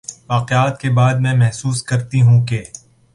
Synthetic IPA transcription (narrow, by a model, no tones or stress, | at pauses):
ʋaːqeaːt̪̚kebaːd̪mɛ̃mɛɦsuːskɐɾt̪iɦũkeː